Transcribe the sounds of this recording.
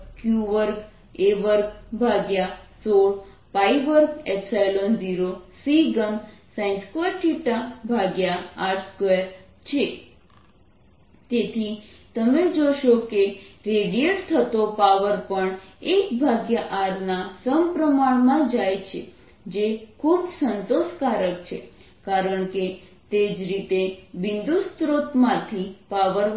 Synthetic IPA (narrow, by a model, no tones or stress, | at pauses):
kjuʋəɾk | eʋəɾk̚bʱaɡjasoɭ | pajʋəɾkepsajlonziɾosiɡəmsãnskeʈʰiʈabʱaɡjaaɾskeɾ | t͡ʃʰe | t̪et̪ʰit̪əmed͡ʒoʃokeɾeɽieʈt̪ʰət̪opaʋəɾpəɳekbʱaɡjaʔaɾnasəmpɾəmaɭmãd͡ʒajt͡ʃʰe | d͡ʒekʰubsənt̪oʃkaɾəkt͡ʃʰe | kaɾəɳke | t̪ed͡ʒɾit̪eʋind̪ust̪ɾot̪mãt̪ʰipaʋəɾ